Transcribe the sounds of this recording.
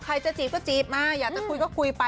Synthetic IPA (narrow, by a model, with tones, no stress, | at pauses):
kʰɾa˧jt͡ɕa˧˨t͡ɕiː˨˩p̚kɔː˥˩t͡ɕiː˨˦˩p̚maː˧˩jaː˨˩t̪ʰaː˥˩kʰu˧jkɔː˥˩kʰu˧jpa˧